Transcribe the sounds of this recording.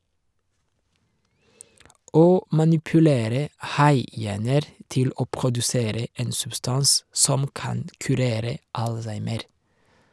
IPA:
ˈoː mɑnɪpʉˈleːɾə ˈhɑɪˌjæːnəɾ ˈtɪl ˈoː pʁʊdʉˈseːɾə ˈeːn sʉbˈstɑns ˈsɔm ˈkɑnd kʉˈɾeːɾə ˈɑlˌsæɪməɾ

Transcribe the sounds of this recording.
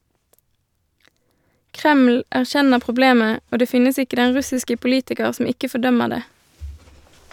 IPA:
ˈkʁɛml̩ æʁˈçɛnəʁ pʁʊˈbleːmə ˈoː ˈdeː ˈfɪnəs ˈɪkə ˈdɛn ˈʁʉsɪskə pʊˈliːtɪkəʁ ˈsɔm ˈɪkə fɔˈdœməʁ ˈdeː

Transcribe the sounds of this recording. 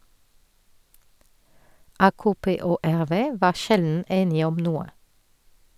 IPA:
ˈɑːkoːˌpeː ˈoː ˈæʁˌʋeː ˈʋɑː ˈʃɛln̩ ˈeːnɪ ˈɔm ˈnuːə

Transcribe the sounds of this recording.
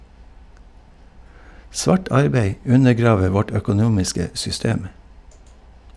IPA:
ˈsʋɑːʈ ˈɑɾbeɪ ˈʉnəˌɡɾɑːʋə ˈʋɔʈ œkʊˈnuːmɪskə sʏˈsteːm

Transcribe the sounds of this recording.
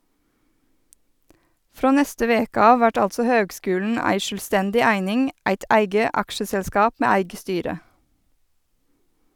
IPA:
ˈfɾoː ˈnɛstə ˈʋeːkə ˈɑːʋ ˈʋæʈ ˈɑltsœ ˈhøːɡˌskʉːlɳ̩ ˈæɪ ˈʃøːlˌstɛndɪ ˈæɪnɪŋ ˈæɪt ˈæɪɡə ˈɑkʃəsɛlˌskɑːp ˈmeː ˈæɪɡə ˈstyːɾə

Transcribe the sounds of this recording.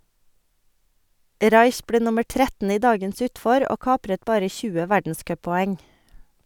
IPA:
ˈɾɑɪç ˈbleː ˈnʊməɾ ˈtɾɛtn̩ ˈiː ˈdɑːɡəns ˈʉːtfɔɾ ˈoː ˈkɑːpɾət ˈbɑːɾə ˈçʉːə ˈʋæɖn̩ˌskœpɔˌɛŋ

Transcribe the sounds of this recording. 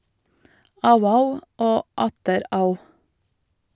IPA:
ˈɑʉə ˈɑʉ ˈoː ˈɑtəɾ ˈɑʉ

